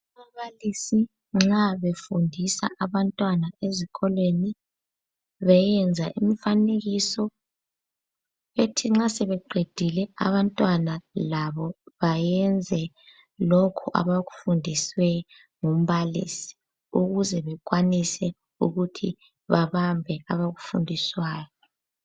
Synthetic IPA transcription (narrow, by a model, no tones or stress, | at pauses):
amaβalisi | ŋ͡ǁaβefundʱisa̰ʔaβantʼwanaeziɣʰɔlweni | βɛjɛnd͡zʱaʔim̩faneɣisɔ | etʰiŋ͡ǁasɛβɛɡ͡ǃʱed̥ʱilɛa̰βantʼwanalaβɔβajɛnd͡zʱɛ | lɔkʰɔʔa̰βaɣufundʱiswɛ | ŋum̩βalḭːsi̥ | uɣuzɛβɛk̬ʼwanisɛ | uɣutʰḭ | βaβambʱɛaβaɣufṵndʱiswaːjɔ